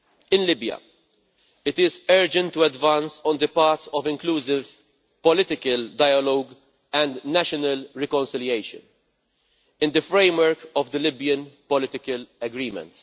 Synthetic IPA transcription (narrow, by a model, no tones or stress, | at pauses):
ɪ̃nlɪbjɐ̰ | ɪt̪ɪzɛɾd͡ʒɛ̃nt̪ːuɛdvãnsɔ̃nd̪əpaːɾt̪ɔvɪ̃ŋkluːsɪv | pɔlɪt̪ɪkəld̪aɪɐlɔːɡ | ɛ̃nd̪næʃɔnɐlɾɛkɔ̃nsɪljeɪʃə̰̃n | ɪ̃nd̪əfɾẽɪmwəɾkɔvd̪əlɪbjə̃npɔlɪt̪ɪkəlɐɡɾiːmɛ̰̃nt̪